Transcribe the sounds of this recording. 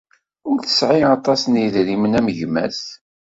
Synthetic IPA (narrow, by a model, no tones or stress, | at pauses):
ʊɾθə̥sʕiɑt̪ˤɑsniðɾimənæməʝmæ̰s